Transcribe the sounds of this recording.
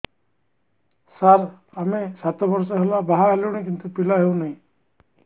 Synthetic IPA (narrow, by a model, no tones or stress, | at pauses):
saɾ | amesat̪ɔbɔɾsɔɦelabaɦaɦeluwɽ̃ekint̪upilaɦewnaj̃